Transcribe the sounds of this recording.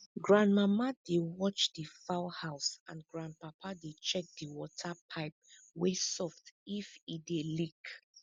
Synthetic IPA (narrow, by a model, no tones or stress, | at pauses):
ɡɹãndmamadewɔt͡ʃdifaʊhaʊsã̰nɡɹãnd̚papʰadet͡ʃɛk̚diwɔtʰapʰaɪp̚ | wesɔftifidelik